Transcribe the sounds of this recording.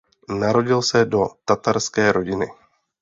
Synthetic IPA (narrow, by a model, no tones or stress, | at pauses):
naɾo̞ɟɪlsɛdo̞t̪at̪aɾskɛːɾʔo̞ɟɪnɪ